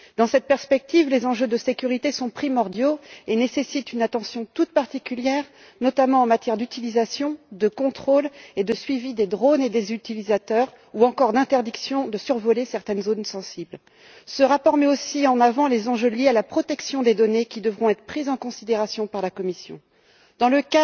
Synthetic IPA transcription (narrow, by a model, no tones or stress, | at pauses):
d̪ɑ̃sɛt̪̚pɛʁspɛk̚t̪ivlezɑ̃ʒød̪əsekʲyʁit̪esɔ̃pχimɔʁd̪joenesesit̪ynat̪ɑ̃sjɔ̃t̪ut̪̚paʁt̪ikʲyljɛʁ | nɔt̪amɑ̃ɑ̃mat̪jɛʁd̪yt̪ilizasjɔ̃d̪əkɔ̃t̪χoled̪əsɥivid̪ed̪ʁoned̪ezyt̪ilizat̪œːʁ | uɑ̃kɔʁd̪ɛ̃t̪ɛʁd̪iksjɔ̃d̪əsyʁvɔlesɛʁt̪ɛnzonsɑ̃sibl | səʁapɔʁmɛosiɑ̃navɑ̃lezɑ̃ʒøljealapχɔt̪ɛksjɔ̃d̪ed̪ɔnekʲid̪əvʁɔ̃ɛt̪χəpχizɑ̃kɔ̃sid̪eʁasjɔ̃paʁlakɔmisjɔ̰̃ | d̪̥ɑ̃ləka